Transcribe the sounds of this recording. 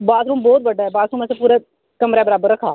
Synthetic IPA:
baːzɾũːmbɔːt̪̚bəɖaːɦɛːbaːzɾũːmɛːsepuːɾe | kəmɾeːbəɾaːbəɾːəkʰaː

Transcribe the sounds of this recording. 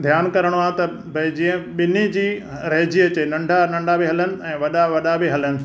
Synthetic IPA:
d̪ʱjaːnkɐɾəɽ̃ʋãt̪ɐ | bɐid͡ʑĩːə̃ɓɪnid͡ʑiː | ɾɐːd͡ʑiɐt͡ɕeːnɐ̃ɳɖʱanɐ̃ɳɖʱabɪɦɐlənɪ̆ɛ̃ːʋɐɗaʋɐɗabɪɦɐlənɪ̆

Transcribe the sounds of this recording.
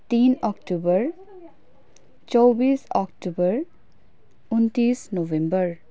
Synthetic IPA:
tinɔkʈubɐɾ | t͡ʃɔwbisɔkʈubɐɾ | unt̪isnobembʌɾ

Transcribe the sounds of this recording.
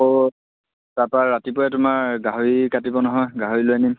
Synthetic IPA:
o | taɹpaːatipɔjɛtʊmaɹɡaɦoɹikatibɔnɔɦɔjɡaɦoɹiloanim

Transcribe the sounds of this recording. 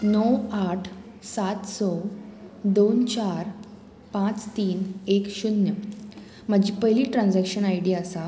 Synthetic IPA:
nɔwaʈʰ | sat̪sɔ | d̪ont͡ɕaɾ | pãt͡st̪iːnekɕunjə | m̤aɡd͡ʑiːpəjliːʈɾãnd͡zakɕənajɽiaəsa

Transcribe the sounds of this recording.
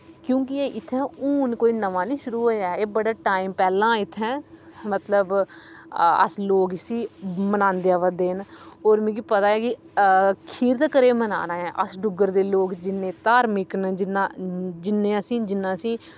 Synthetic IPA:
kjõːkɪeːʔɪt̪ʰːɛ̃ːuːnkoːiːnəʋaːnĩːʃʊɾuːɦoːjaːeːbəɽaːʈaːiːmpɛːlãːɪt̪ʰːɛ̃ːmət̪ləb | ə̰sloːksĩːmənãːnd̪jaːʋəd̪eːnoːɾmĩːɡiːpət̪aːɛːkɪ | kʰiːɾt̪kəɾeːməna̰ːnãːɛ̃ːʔəsɖʊɡəɾd̪eːloːkd͡ʒɪnːẽːt̪aːɾmɪknd͡ʒɪnãːd͡ʒɪnːẽːəsĩːd͡ʒɪnːãːəsĩː

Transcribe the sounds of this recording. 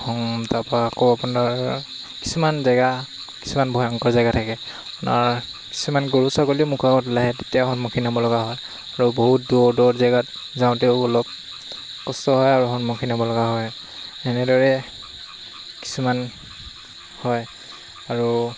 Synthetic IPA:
hɔŋtapaːkoapunaɹ | ki̥sumanzaɡa | ki̥sumanbʱɔjɔŋkɔɹzajɡatʰakɛ | apuna̰ɹ | ki̥sumanɡoɹusakoliʊmukʰabɔtlaɦɛtetijahɔnmɔkʰinabɔlɔɡaɦɔj | aɹuboɦut̚dɔdɔzaɡat̚ | zaʊ̃teʊɔlɔp̚ | kɔstɔɦɔjaɹuɦɔnmɔkʰinabɔlɔɡaɦɔj | ɛnɛdɔɹɛ | ki̥suman | hɔj | aɹu

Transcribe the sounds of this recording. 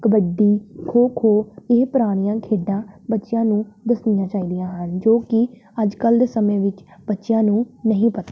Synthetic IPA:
kəbəɖiːkʰoːkʰoːeːpɾaːɽ̃ijãːkʰeːɖãːbətːʃɪjãːnũːd̪əsnɪjãːt͡ʃaːiːd̪ɪjãːɦənd͡ʒoːkɪ | əd͡ʒkəld̪eːsəmẽːʋɪt͡ʃbətːʃɪjãːnũːnəɦĩːpət̪aː

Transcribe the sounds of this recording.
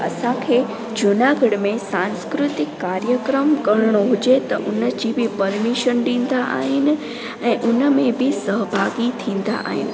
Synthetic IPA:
ɐ̰sãkʰeː | d͡ʑʊnaɡʱəɽmẽsãːnskɾʊt̪ɪkːaːɾjəkɾəmkɐɾɽ̃oɦʊd͡ʑet̪ɐʔʊnəd͡ʑibɪpɐɾmiʃənɗĩːn̆d̪aʔa̰ːɦɪnɪ̆ | ɛ̃ːʔʊnəmẽbɪsəɦbʱaːɡit̪ʰĩːn̆d̪a̰ʔa̰ːɦɪ̰nɪ̆

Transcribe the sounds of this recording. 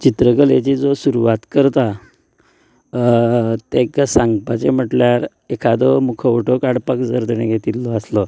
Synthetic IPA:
t͡ɕit̪ɾəkəlet͡ɕid͡zosuɾuʋat̪kəɾt̪a | t̪eksãŋɡpat͡ɕem̤əʈljaɾ | ekʰad̪ɔmukʰəuʈʰɔkaɽpakd͡zəɾd̪eɽ̃eɡʱet̪ilːɔəslɔ

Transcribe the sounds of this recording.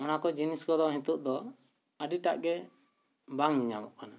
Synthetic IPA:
ɔnakɔd͡ʒiniskɔd̪ɔɦĩt̪uʔd̪ɔ | əɖiʈa̰ʔɡɛ | baŋniɲa̰mɔ̰ʔkana

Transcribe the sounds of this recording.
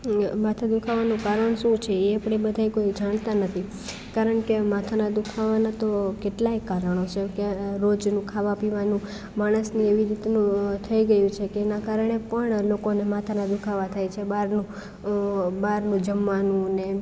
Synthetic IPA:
mat̪ʰad̪ukʰaʋanũkaɾəɳʃũt͡ʃʰeeapɽebəd̪ʱajkoid͡ʒaɽ̃t̪anət̪ʰi | kaɾəɳkemat̪ʰanad̪ukʰaʋanat̪okeʈlaekːaɾəɳ̃ot͡ʃʰekeɾod͡ʒnũkʰaʋapiʋanũ | maɽ̃əsnieʋiɾit̪nũt̪ʰəiɡəjũt͡ʃʰekeːnakaɾɳepəɳlokonemat̪ʰanad̪ukʰaʋat̪ʰajt͡ʃʰebaɾnũ | baɾnũd͡ʒəmʋanũne

